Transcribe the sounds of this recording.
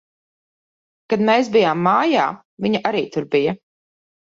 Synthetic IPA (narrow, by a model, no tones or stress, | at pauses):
kad̪meːs̬bijaːmːaːjaː | viɲaʔaɾiːt̪uɾbijɐ